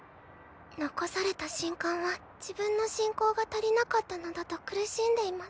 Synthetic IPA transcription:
no̞ko̞saɾe̞t̪aɕĩŋkãɰ̃βa | d͡ʑ̥ibɯ̟̃nːo̞ɕĩŋko̞ːɡat̪aɾʲinakat̪ːano̞d̪at̪o̞kɯ̟ɾɯ̟ɕĩnd̪e̞imas

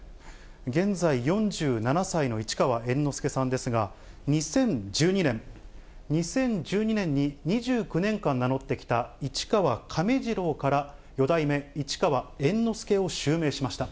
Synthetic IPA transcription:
ɡẽ̞nd͡zaijõ̞ɲd͡ʑɨːnanasaino̞it͡ɕi̥kaβaẽ̞nːo̞sɨ̥ke̞sãnd̪e̞sɨɡa | ɲ̟isẽ̞ɲd͡ʑɨːɲinẽ̞ŋ | ɲ̟isẽ̞ɲ̟d͡ʑɨːɲ̟inẽ̞ɲ̟ːiɲ̟iʑɨːkɯ̟nẽ̞ŋkãnːano̞t̪ːe̞kʲi̥t̪ait͡ɕi̥kaβakʰameʑiɾo̞ːkaɾa | jo̞d̪aime̞it͡ɕi̥kaβaẽ̞nːo̞sɨ̥ke̞o̞ɕɨːme̞ːɕimaɕi̥t̪a

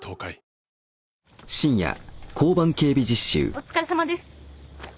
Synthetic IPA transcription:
t̪ʰoːkai | ɕĩɰ̃ja̰kʰo̞ːbãŋke̞ːbʲid͡ʑiɕːɨ̰ːot͡sɨ̥kaɾesamad̪esɨ̥

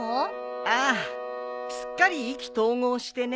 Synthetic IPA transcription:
o | a | ɕɨ̥kːaɾʲiːkʲi̥t̪o̞ːŋoːɕi̥t̪e̞n

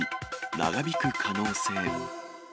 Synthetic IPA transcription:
na̰ɡabʲikɯ̟kʰano̞ːse̞ːŋo

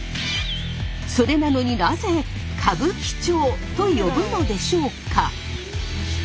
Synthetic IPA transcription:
so̞ɾe̞nano̞ɲ̟inaze̞ | kʰabɯ̟kʲi̥t͡ɕo̞ːt̪o̞jo̞bɯ̟no̞d̪e̞ɕo̞ːkʰa

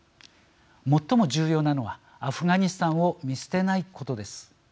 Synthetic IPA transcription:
mo̞t̪ːo̞mo̞ʑɨːjo̞ːnano̞βa | aɸɯ̟ɡaɲ̟isɨ̥t̪ãɰ̃o̞mʲise̥t̪e̞naikʰo̞t̪o̞d̪e̞sɨ̥

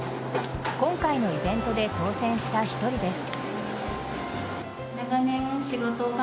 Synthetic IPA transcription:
kõ̞ŋkaino̞ibẽ̞nt̪o̞d̪e̞t̪o̞ːsẽ̞ɰ̃ɕi̥t̪açi̥t̪o̞ɾʲid̪e̞sɨ̥ | naɡanẽɰ̃ɕiɡot̪oɡa

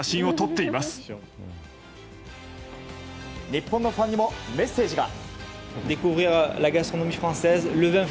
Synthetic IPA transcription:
aɕĩɰ̃ot̪ot̪ːe̞imasɨ̥ | ɲʲipːõnːofãɲ̟ːimo̞me̞sːe̞ːʑiɡa̰ | d̪ekuvʁiʁlaɡast̪χonomifχɑ̃sɛzləvɛ̃

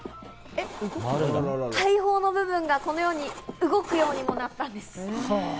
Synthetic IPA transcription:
eɾt̪ʰaiɦo̞ːno̞bɯ̟bɯ̟̃ŋɡako̞no̞jo̞ːɲ̟iɯ̟ɡo̞kɯ̟jo̞ːɲ̟imo̞nat̪ːãnd̪e̞sɨ̥

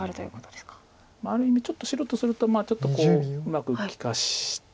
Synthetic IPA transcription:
aɾɯ̟t̪ojɯ̰ːkot̪od̪eskḁ | maːɾɯ̟imʲit͡ɕo̞t̪ːo̞ɕiɾot̪ːosɨɾɯ̟t̪o̞maːt͡ɕo̞t̪ːoko̞ːɯmakɯ̟kʲi̥kaɕi

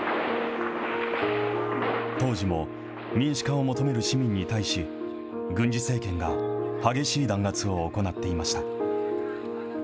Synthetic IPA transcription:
t̪o̞ːʑimo̞ | mʲĩɰ̃ɕi̥kao̞mo̞t̪o̞me̞ɾɯ̟ɕimʲĩɲ̟ːit̪aiɕi | ɡɯ̟̃ɲ̟d͡ʑise̞ːkẽ̞ŋɡahaɡe̞ɕiːd̪ãŋɡat͡sɨo̞ːko̞nat̪ːe̞imaɕi̥t̪a

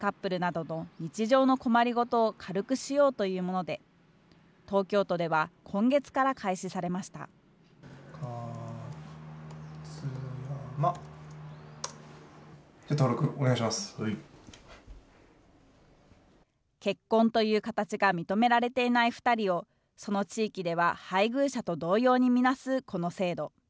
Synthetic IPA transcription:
kapːɯ̟ɾɯ̟nad̪o̞no̞ɲ̟it͡ɕiʑo̞ːno̞ko̞maɾʲiɡo̞t̪o̞ːkʰaɾɯ̟kɯ̟ɕijo̞ːt̪o̞jɯ̟ːmo̞nod̪e̞ | t̪o̞ːkʲo̞ːt̪o̞d̪e̞β̞akʰõ̞ŋɡe̞t͡sɨ̥kaɾakʰaiɕisaɾe̞maɕi̥t̪a̰ | kʰa | t͡sɨjama | d͡ʑat̪oːɾo̞kɯ̟oneɡaiɕimasɨ̥ | ke̞kːõ̞nt̪o̞jɯ̟ːkat̪at͡ɕiɡamʲit̪o̞me̞ɾaɾe̞t̪e̞inaiɸɯ̟̥t̪aɾʲio̞ | so̞no̞t͡ɕiːkʲid̪e̞β̞ahaiɡɯ̟ːɕat̪o̞d̪o̞ːjo̞ːɲ̟imʲinasɨkʰo̞no̞se̞ːd̪o̞

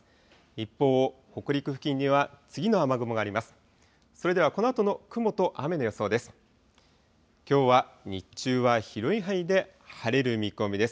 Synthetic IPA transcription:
ipːo̞ːho̞kɯ̟ɾʲikɯ̟ɸɯ̟kʲĩɲ̟ːiβat͡sɨɡʲino̞amaɡɯ̟moɡaːɾʲimasɨ̥ | so̞ɾe̞d̪e̞βako̞no̞at̪o̞no̞kɯ̟mo̞t̪o̞ʔame̞nojoso̞ːd̪e̞sɨ̥ | kʲo̞ːβaɲit͡ɕɨːβaçiɾo̞iɦaid̪e̞ | haɾe̞ɾɯ̟mʲikɯo̞mʲid̪e̞sɨ̥

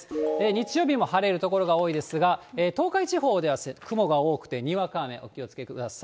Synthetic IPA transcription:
eɲ̟it͡sɨjo̞ːbʲimo̞haɾe̞ɾɯ̟t̪o̞ko̞ɾo̞ɡao̞ːid̪e̞sɨɡaeːt̪o̞ːkait͡ɕiɦo̞ːd̪e̞βasekɯ̟mo̞ɡao̞ːkɯ̟̥t̪eɲ̟iβakaːmẽ̞̰ʔo̞kʲio̞t͡sɨ̥ke̞kɯd̪asa

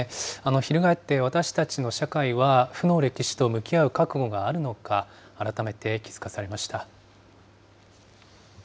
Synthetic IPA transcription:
ano̞çiɾɯ̟ɡae̞t̪ːe̞βat̪aɕi̥t̪at͡ɕino̞ɕakaiβaɸɯ̟no̞ɾe̞kʲiɕi̥t̪o̞mɯ̟kʲiaɯ̟kakɯ̟ɡo̞ɡaːɾɯ̟no̞kaː | ɾat̪ame̞t̪e̞kʲi̥z̥ɨ̥kasaɾe̞maɕi̥t̪a

